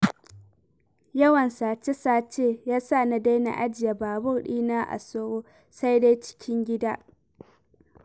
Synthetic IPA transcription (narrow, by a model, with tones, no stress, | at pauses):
jɐ˦wɐ˨nsaː˨t͡ʃe˦saː˦˨t͡ʃeː˦jaː˦sa˦˨na˨da˦jna̰˨ʔa˦d͡ʒɪ˨ja˨baː˨bʊ˦rɗiː˦naː˦ʔa̰˨soː˦ɾoː˦ | sa˦jda˦jt͡ʃɪ̥˦kʲʰɪ˦ŋɡʲɪ˦daː˦ʔ